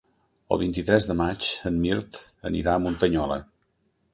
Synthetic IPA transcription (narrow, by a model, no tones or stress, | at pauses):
ə̰lˠβint̪it̪ɾɛzðəmat͡ʃənmiɾt̪ə̰nḭɾaəmunt̪əɲɔlə̰